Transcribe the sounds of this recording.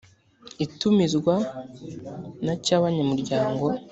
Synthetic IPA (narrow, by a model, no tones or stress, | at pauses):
itumizɡwa | nacaβaɲamuɾɟaːŋɡo̞